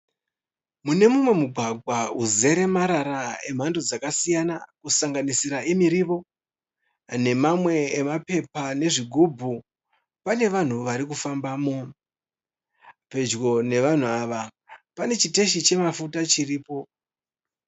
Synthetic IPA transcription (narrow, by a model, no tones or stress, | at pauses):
mune̞mumwe̞muɡʱwaɡʱwauze̞ɾe̞maɾaɾae̞m̤andod͡zakasijanakusaŋɡanisiɾaemiɾiʋo̞ | ne̞mamwe̞ːmape̞pane̞ʐiɡʱubʱu | pane̞ʋan̤uʋaɾikufambaːmo | pe̞d͡ʒɡo̞ne̞ʋan̤uaʋa | pane̞t͡ʃite̞ʃit͡ʃe̞mafutat͡ʃiriːpo̞